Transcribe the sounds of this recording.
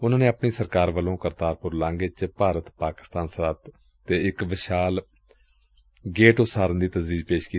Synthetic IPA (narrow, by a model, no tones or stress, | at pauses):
ʊnãːnẽːəpɳiːsəɾkaːɾʋəlõːkəɾt̪aːɾpʊɾlãːŋɡet͡ʃpaːɾət̪paːkɪ̥st̪aːnsəɾaːt̪ː | eːɪkʋɪʃaːl | ɡeːʈʊsaːɾənd̪iːt̪əzʋiːd͡ʒpeːʃkiː